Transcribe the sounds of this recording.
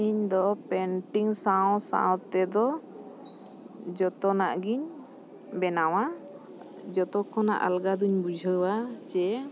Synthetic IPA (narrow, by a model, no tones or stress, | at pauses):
iɲd̪ɔpɛnʈiŋsaw̃sa̰w̃t̪ɛd̪ɔ | d͡ʒɔt̪ɔnaʔɡiɲ | bɛnaw̃a | d͡ʒɔt̪ɔkʰɔna̰ʔa̰lɡad̪uɲbud͡ʒʱəwat͡ʃɛ